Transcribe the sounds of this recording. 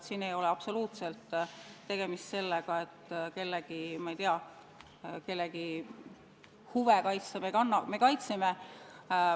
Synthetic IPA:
t̪sinejo̞leɑpso̞luːt̪se̞lt̪ːe̞ɡ̥e̞mist̪se̞lːeɡ̥ɑe̞t̪ːke̞lːeɡ̥imɑejt̪iɑ | ke̞lːeɡi | huvekɑjt̪sɑmekɑnːɑme̞kɑjt̪seme

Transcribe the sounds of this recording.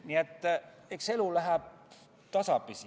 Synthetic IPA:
niet̪ːæ | eikselulæhæ | t̪ɑsɑpisi

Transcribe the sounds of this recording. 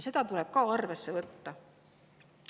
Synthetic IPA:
se̞d̪̥ɑt̪ule̞b̥̚kɑɑrve̞sːe̞vɤt̪ːɑ

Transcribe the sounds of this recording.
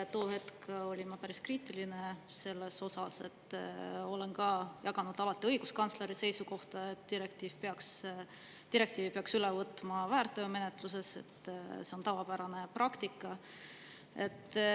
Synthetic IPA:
t̪o̞ːhe̞t̪ko̞lʲimɑpæɾiskriːt̪ːˑilinese̞lːe̞so̞sɑse̞̰t̪ːˑo̞le̞nkɑjɑɡ̥ɑnud̪̥ɑlɑt̪ːˑiɤ̞jɡ̥uskɑnsleɾise̞jsuko̞ht̪ɑe̞t̪d̪̥iɾe̞k̚t̪iːv̥peɑks | t̪iɾe̞kt̪iːvipe̞ɑksylevɤt̪ːˑmɑvæːrt̪ːˑøːme̞net̪ˑluse̞se̞̰t̪ːse̞o̞nt̪ɑvɑpæɾɑne̞prɑkt̪ikːˑɑ | e̞̰t̪ː

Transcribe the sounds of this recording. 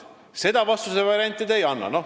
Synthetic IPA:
se̞d̪ɑvɑst̪usevɑɾʲiɑnʲt̪ːˑid̪ejɑnːɑ̰no

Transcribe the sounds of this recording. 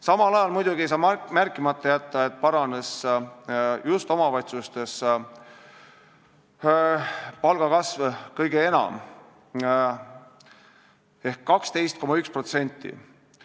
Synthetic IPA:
sɑmɑlɑjɑlmujd̪̥uɡ̥iejs̬ɑːmærkːˑimɑt̪ˑːɑjæt̪ːˑɑe̞t̪̚ˑpɑɾɑne̞s | just̪o̞mɑvɑjt̪sust̪e̞s | pɑlɡ̥ɑkɑsvkɤjɡ̥ee̞nɑ̰m | e̞hkːɑkst̪e̞jst̪̚ko̞mɑykspro̞t̪se̞nʲt̪ːḭ

